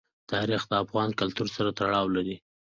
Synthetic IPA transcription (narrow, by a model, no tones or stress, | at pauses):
t̪ɑɾixd̪əafɣɑnkalt̪uɾsaɾat̪aɽɑwlaɾi